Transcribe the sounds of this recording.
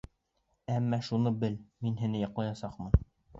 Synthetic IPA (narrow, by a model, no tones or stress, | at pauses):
æmːæʃunɤbɘlminɦɘ̆nɘjɑqlˠɑjɑsɑqmɤ